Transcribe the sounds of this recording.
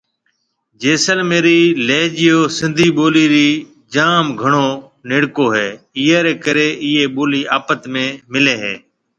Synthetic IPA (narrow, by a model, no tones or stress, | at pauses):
d͡ʒeːsəlmeːɾiːleːd͡ʒɪjoːsɪ̃nd̪ʱiːɓoːliːɾiː | d͡ʒaːmɡʱəɳ̃oː | nɪɽkoːɦeː | ɪɦeːɾeːkəɾeːʔɪːeːɓoːliːaːpət̪mẽːmɪleːɦeː